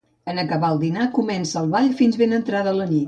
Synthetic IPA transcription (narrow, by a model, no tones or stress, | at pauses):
ənəkəβaəlˠd̪inakumɛnsəːlˠβaʎfinzβenənt̪ɾaðələnit̪